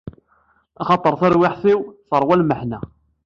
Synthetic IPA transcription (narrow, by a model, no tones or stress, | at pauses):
ɑχɑt̪ˤəɾˤθæɾwɪħθiwθəɾˤwælməħnæ